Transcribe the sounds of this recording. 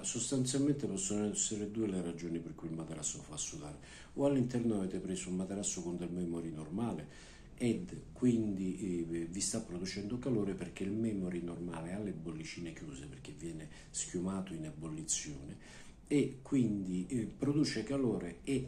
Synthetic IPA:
sost̪ant̪s̬jalment̪epɔsːonoɛsːeɾed̪uːelerad͡ʒoːniperkuilmat̪eɾasːofasːud̪aːɾe | oalːint̪ɛrnoaveːt̪epɾeːsoulmat̪eɾasːokond̪elmɛːmoɾinormaːle | ɛd̪kwind̪ivist̪apːɾod̪ut͡ʃɛnd̪okaloːɾeperk̟eilmɛːmoɾinormaːlealːebːolːit͡ʃiːnekjuːseperk̟ːevːjɛːnɪ | sk̟jumaːt̪oinabːolːit̪sːjoːne | ekːwind̪ipːɾod̪uːt͡ʃekaloːɾee

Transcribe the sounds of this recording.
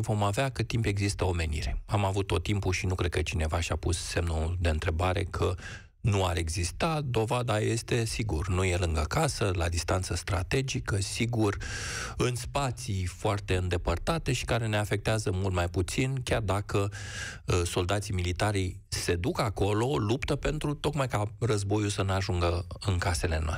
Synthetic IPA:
vo̞maveakət̪ːimpe̞ɡzist̪əo̞me̞nḭɾe̞amavut̪ːo̞t̪ːimpuʃinukɾe̞d̪̚kət͡ʃine̞vaʃʲapusːe̞mnud̪e̞ɨnt̪ɾe̞baɾe̞̰kʰə | nua̰ɾe̞ɡzist̪ad̪o̞vad̪aje̞st̪e̞siɡurnuje̞lɨŋɡəakasəla̰d̪ist̪ant̪səst̪ɾa̰t̪e̞d͡ʒikəsiɡurɨnspat̪sifoart̪e̞ɨnd̪e̞pərt̪at̪e̞ʃi̥kaɾe̞ne̞afe̞k̚t̪eazəmult̪majput̪sinkʲard̪akə | so̞ld̪at̪similit̪aɾij | se̞d̪ukako̞lo̞lupt̪əpe̞nt̪ɾut̪o̞kmajkarəzbo̞jusəneaʒuŋɡəɨŋkase̞le̞no̰a̰

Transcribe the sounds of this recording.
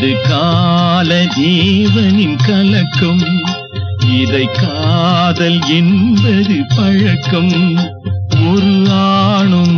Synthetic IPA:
ðɯkːalɐd̪eːʋɐnɪnkɐlɐkːɐm | ɪðɐɪkːaːðɐlɛnbɐðɯpɐɻɐkːɐm | kɔɾɯlaːɳɯm

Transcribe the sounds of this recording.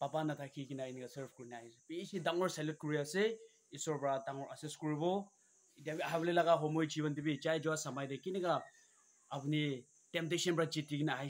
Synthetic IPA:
papanatʰakʰikinajniɡasəɾpʰkuɾinaaipisidaŋɔɾsalut̚kuɾijase | isɔɹbɾadaŋɔɾʔaseskuɾibɔ | idiabiaɦablelaɡaɦɔmojd͡ʒiβɔndibid͡ʒajd͡ʒɔwasamajdakiniɡaː | buni | temp̚tesɔnbɾad͡ʒitiɡinaɦj

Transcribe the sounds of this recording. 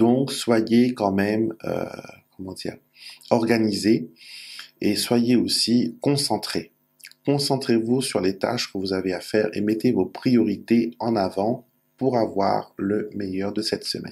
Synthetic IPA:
d̪̥ɔ̃kswajekɑ̃mɛmø̰kɔmɑ̃d̪ḭːʁ | ɔʁɡanize | eswajeosikɔ̃sɑ̃t̪χe | kɔ̃sɑ̃t̪χevusyʁlet̪a̰ʃkəvuzaveafɛʁḛmɛt̪evopχijɔʁit̪eɑ̃navɑ̃ | puʁavwa̰ʁləmejœʁd̪əsɛt̪sə̰mɛ̰n

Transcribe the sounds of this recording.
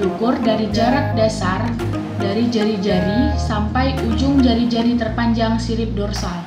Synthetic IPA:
lukʊrdaɾid͡ʒaɾat̪̚dasar | daɾid͡ʒaɾid͡ʒaɾisampajud͡ʒʊŋd͡ʒaɾid͡ʒaɾit̪ərpaɲd͡ʒaŋsiɾɪp̚dɔrsal

